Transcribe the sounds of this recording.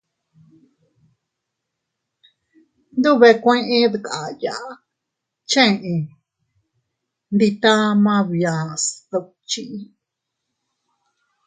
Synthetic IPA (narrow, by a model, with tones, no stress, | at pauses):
nd̪u˦βe˧kʷẽ˦ʔẽ˦ðu˧˨ka˨ja˨ʔ | t͡ʃẽ˦˨ʔĩ˧ | nd̪i˧t̪ã˦mã˧βja˨sða˧ | t͡ʃi˦˧ʔ